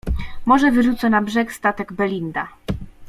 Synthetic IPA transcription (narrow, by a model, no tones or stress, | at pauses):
mɔʐɛvɘʐut̪sɔnabʐɛkst̪at̪ɛɡbɛlʲind̪a